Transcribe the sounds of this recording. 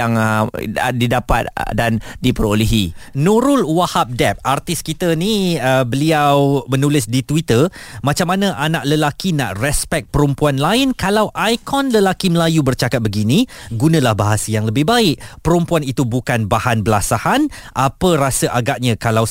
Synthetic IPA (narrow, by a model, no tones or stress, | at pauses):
aŋ | didapa̰t̪̚dandipəɾoliɦinũɾʊlwahap̚dɛp̚art̪ɪskit̪əniəbəliawmə̃nulɪsdit̪wit̪ərmãt͡ʃamːanãʔanaʔləlakinã̰ʔrɛspɛk̚pəɾumpuanlaɪnkalawʔajkɔnləlakiməlajubərt͡ʃakat̪̚bəɡinĩɡunãlahbaɦasəjaŋləbɪhbaɪʔpəɾumpuanit̪ubukanbahanbəlasahan | ʔapərasəʔaɡaʔ̚ɲãkalaw